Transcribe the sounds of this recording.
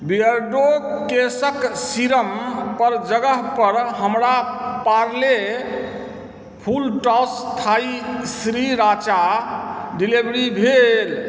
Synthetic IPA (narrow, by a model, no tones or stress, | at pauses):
biəɾɖokesəksiɾəmpəɾd͡ʒəɡəɦpəɾɦəmɾapaɾle | pʰulʈɔst̪ʰaisɾiɾat͡ʃa | ɖilibɾibʱel